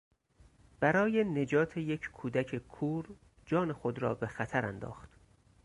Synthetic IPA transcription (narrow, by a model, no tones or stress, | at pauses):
b̥æɾɒːje̞ne̞d͡ʒɒːt̪ʰejecʰkʰuːd̪ækʰekʰuːɾ | d͡ʒɒːne̞xod̪ɾɒ̰ːbe̞xæt̪ʰæɾænd̪ɒ̰ːxt̪